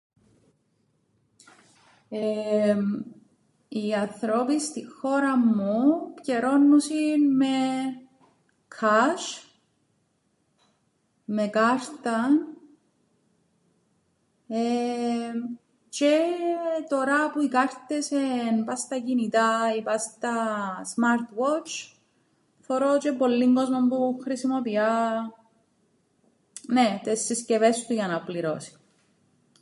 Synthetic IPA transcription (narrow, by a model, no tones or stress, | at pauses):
e | iɐnθɾopist̪ixo̞ɾɐmːupceɾo̞nːusinme | kʰɐs | mekɐɾt̪ɐn | e | t͡ʃet̪o̞ɾɐpuikɐɾt̪esenpɐst̪ɐcinit̪aipɐst̪ɐsmaɾt̪wot͡ʃ | foɾot͡ʃepo̞lːiŋɡo̞zmombuxɾisimopiɐ | net̪esːiscevest̪uʝɐnɐpliɾo̞̰si̥